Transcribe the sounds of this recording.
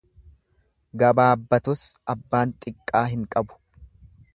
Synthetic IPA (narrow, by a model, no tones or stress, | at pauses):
ɡɐbaːbːɐt̪ʊsɐbːaːnt̪ʼɪkʼːaːɦɪŋkʼɐbʊ̥